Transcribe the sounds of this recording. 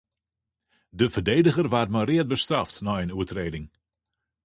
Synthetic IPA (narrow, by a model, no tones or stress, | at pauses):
dəvərdejdəɣərʋaːtmarɪət̚bəstrɑftnɔjənuətreːdɪŋ